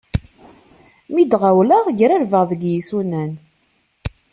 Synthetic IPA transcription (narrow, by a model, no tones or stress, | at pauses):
mid̪ʁawlaʁʝɾæɾvəʁðəɡjisunæn